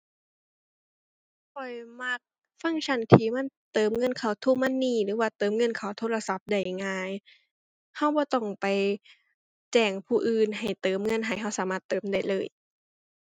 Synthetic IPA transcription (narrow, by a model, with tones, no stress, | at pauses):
kʰɔ˨˩jma˧˥k̚ | fa˧˥˨ŋt͡ɕʰa˧˩˨nt̪ʰiː˧˩ma˧˥˨nt̪ɤː˨˦mŋɤ˧˥˨nkʰa˧˨˩wt̪ʰu˧˨ma˧˥˨nːiː˧˩lɯː˨˦waː˧˩t̪ɤː˨˦mŋɤ˧˥˨nkʰa˧˩wt̪ʰoː˧˥˨la˧sa˧˦p̚da˧˩jŋaː˧j | ha˧˩wbɔː˧˦t̪ɔ˧˩ŋpa˨j | t͡ɕɛː˧˩ŋpʰuː˧˩ʔɯː˧˨nɦa˨˩jt̪ɤː˨˦mŋɤ˧˥˨nɦa˨˩jɦa˧˥˩wsaː˨˦maː˧˩t̪ːɤː˨˦mda˧˩jlɤː˧˩˨j